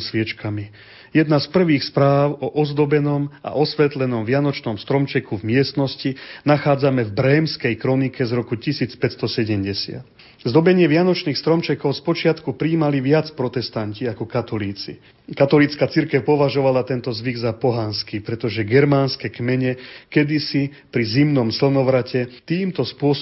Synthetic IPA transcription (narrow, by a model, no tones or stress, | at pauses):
sʋɪɛt͡ʃkami | jɛd̪naspr̩ʋiːxspɾaːʊɔʔɔzd̪ɔbɛnɔma̰ʔɔsʋɛt̪lɛnɔmʋɪanɔt͡ʃnɔmst̪ɾɔmt͡ʃɛkuvmɪɛst̪nɔscinaxaːd͡zamɛvbɾɛːmskɛjkɾɔnikɛzɾɔkucisiːt͡spɛt̪st̪ɔsɛɟɛmɟɛsɪa̰t̪ | zd̪ɔbɛɲɪɛʋɪanɔt͡ʃniːxst̪ɾɔmt͡ʃɛkɔʊspɔt͡ʃɪat̪kupɾiːmaliʋɪat͡spɾɔt̪ɛst̪anciakɔkat̪ɔliːt͡sḭ | kat̪ɔlit͡skat͡siɾkɛʊpɔʋaʒɔʋalat̪ɛnt̪ɔzʋiɡzapɔɦanskipɾɛt̪ɔʒɛɡɛɾmaːnskɛkmɛɲɛkɛd̪isi | pɾizimnɔmsl̩nɔʋɾacɛt̪iːmt̪ɔspʊɔs